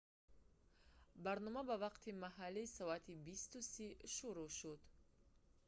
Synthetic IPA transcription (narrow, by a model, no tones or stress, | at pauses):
baɾnɔmabavaqt̪ʰimaɦalːiːsɔat̪ʰibist̪usiʃuɾuʃud̪